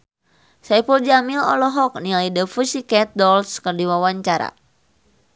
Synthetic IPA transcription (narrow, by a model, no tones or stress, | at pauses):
saipuld͡ʒamilɔ̰lɔɦɔk̚nialidəfusikɛt̪̚dɔlskərdiwawaɲt͡ʃaɾa̰